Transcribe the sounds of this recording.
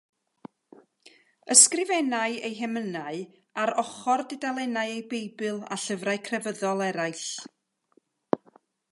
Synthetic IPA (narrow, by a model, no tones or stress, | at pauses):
əskrɪvɛnaɨejɦɛmənaɨ | aɾɔχɔrdɪdalˠɛnaɨejbejbɨlˠa̰ɬəvraɨkʰrɛvəðɔlˠɛɾaɨɬ